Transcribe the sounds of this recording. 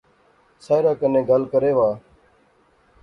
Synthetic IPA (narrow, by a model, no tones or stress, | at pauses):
saːɪɾaːkənẽːɡəlkəɾeːʋaː